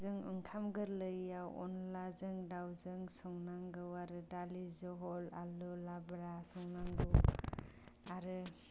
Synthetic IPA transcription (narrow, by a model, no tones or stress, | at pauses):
zɯŋɯ̰ŋkʰamɡɯɾlɯjaɔ̰nlazɯŋdawzɯŋsɔŋnaŋɡɯwaɾɯdalizɯɦɔla̰lɔlabɾasɔŋnaŋɡɯw | aɾɯ